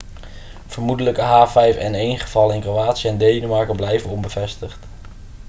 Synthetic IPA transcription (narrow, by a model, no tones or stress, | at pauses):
v̥əɹmudələkəɦaːvɛjfɛnejnχəv̥ɑlənɪnkrowaːtsijəɛndejnəmɑɹkəblɛjvənɔmbəvɛstəχt